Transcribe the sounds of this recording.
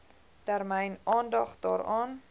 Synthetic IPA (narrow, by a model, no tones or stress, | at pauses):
tæɾmɛjnʔɑːndɑχdɑ̰ːɾɑːn